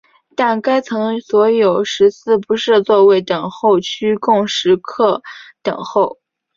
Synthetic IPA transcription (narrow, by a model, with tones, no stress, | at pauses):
t̪a˥˩nka˥ɪt͡sʰɤ˧˥ŋswɔ˧˥jo˨˩ʊʂɻ̩˧˥t͡sʰɹ̩˥˩pu˧˥ʂɻ̩˥˧t͡swɔ˥˧we˥˩ɪt̪ɤ˨˩ŋxo˥˧ʊt͡ɕʰy˥kʊ˥˩ŋʂɻ̩˧˥kʰɤ˥˩t̪ɤ̰˨˩ŋxo˥˩ʊ